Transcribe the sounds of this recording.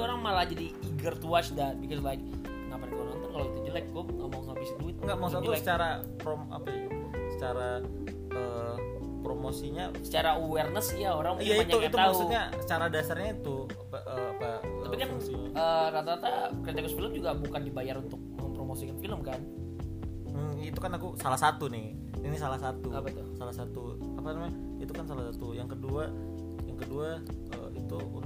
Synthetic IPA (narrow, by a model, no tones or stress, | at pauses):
oɾaŋmalahd͡ʒadiːɡərt̪uat͡ʃdat̪̚bikɔslajk̚ | naparkoɾaŋnt̪ukalowit̪udilajk̚ɡoŋamasapisiduɪt̪̚ŋɡamaadilaət͡ʃaɾa | pɾoma̰paau | sə̥t͡ʃaɾa | ʔəː | pɾomosiɲasə̥t͡ʃaɾauwɛrnəsijaoɾaŋmijapiɲaukiat̪uaauuɲasə̥t͡ʃaɾadasarɲait̪u | apaʔəapat̪apikansiəːɾat̪aɾat̪akɾit̪ekʊsfiləmd͡ʒuɡabukandibajaɾunt̪ʊk̚məmpɾomosikanfiləmkan | it̪ukanakusalahsat̪unɪh | inisalahsat̪uapat̪ʊhsalahsat̪u | apanamaɲa | it̪ukansalasat̪ujaŋkədua | jaŋkədua | ə̰it̪uṵ